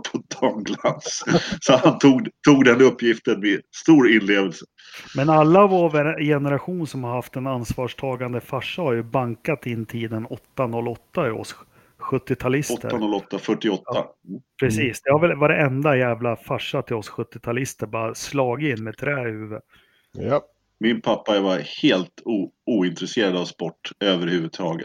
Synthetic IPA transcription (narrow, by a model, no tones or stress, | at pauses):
pʰɔd̪ɔŋɡlanssɔant̪ʰuːɡt̪ʰuːɡd̪ɛnɵpːjɪft̪ənmɛst̪uːɾɪnleːvəlsə | mɛnalːavɔvɛɾjɛnɛɾaɧuːnsɔmhaɾhaft̪ɛnansvɑːʂʈʰɑːɡand̪əfaʂːahaɾjɵbaŋkat̪ɪnːt̪ʰiːd̪ənɔt̪ːanɔlːɔt̪ːaɪɔ̰s | ɧɵt̪ːɪt̪ʰalɪsɔt̪ʰə̰ɾanɔlɔt̪ːafœʈːɪɔt̪ːa̰pʰɾɛsiːsd̪ɛhaɾvɛlvaɾɛɛnd̪ajæːvlafaʂːat̪ʰɪlɔsɧɵt̪ːɪt̪ʰalɪst̪əɾbɑːɾaslɑːɡɪɪnːmɛt̪ʰɾɛːhʉ̟ːvə | mɪnpʰapːaɛɾvaɾheːlt̪ʰuːuːɪnt̪ɾɛseːɾad̪avspɔʈːøːvəɾhʉ̟ːvɵd̪̚t̪ʰɑːɡə̰t̪